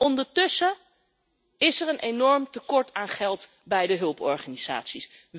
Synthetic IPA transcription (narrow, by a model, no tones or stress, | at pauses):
ɔndəɹtɵsə | ɪsɛɹənʔenɔɹmtəkɔɹtaːnχɛlˠt | bɛjdəɦɵlˠpɔɹχaniz̥a̰ːtsis